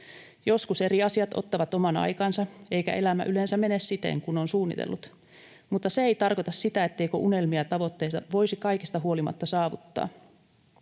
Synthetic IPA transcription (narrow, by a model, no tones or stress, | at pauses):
jo̞skuse̞riɑsiɑt̪o̰t̪ːɑʋɑt̪omɑnɑ̰jkɑnsɑeikæ̰ʔe̞læmæ̰ʔyleːnsæmenessit̪ḛŋkunonsuːnːḭt̪ḛlːut̪ | mut̪ːɑseeijt̪ɑrkot̪ɑssit̪æet̪ːe̞ikøʔune̞lmiɑt̪ɑʋo̞t̪ːeisɑʋo̞isikɑikist̪ɑɦuolimɑ̰t̪ːɑsɑːʋut̪ːɑ̰ː